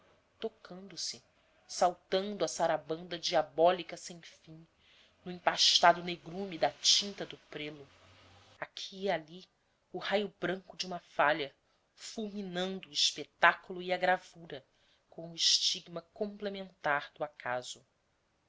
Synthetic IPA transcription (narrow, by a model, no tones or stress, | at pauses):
t̪okʰɐ̃nd̪ʊsɪ | sawt̪ɐ̃nd̪ʊɐsaɾabɐ̃nd̪ɐd͡ʒiabɔlikɐsẽj̃fĩŋ | nʊẽpaʃt̪ad̪ʊneɡɾumid̪ɐt͡ʃĩnt̪ɐd̪ʊpɾelʊ | akʰiali | ʊhajʊbɾɐ̃ŋkʊd͡ʒiũmɐfaʎɐ | fuwminɐ̃nd̪ʊːiʃpet̪akulʊiɐɡɾavuɾɐ | kõw̃ʊiʃt͡ʃiɡmɐkõmplemẽnt̪aɾd̪ʊakʰaz̥ʊ